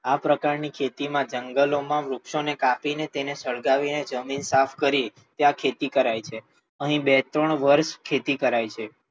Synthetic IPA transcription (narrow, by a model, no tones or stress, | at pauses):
apɾəkaɾnikʰet̪imãd͡ʒəŋɡəlomãmɾukʃonekapinet̪enesəɭɡaʋined͡ʒəminsafʰkəɾi | t̪eakʰet̪ikəɾajt͡ʃʰe | əɦĩbet̪ɾəɳʋəɾʃkʰet̪ikəɾajt͡ʃʰe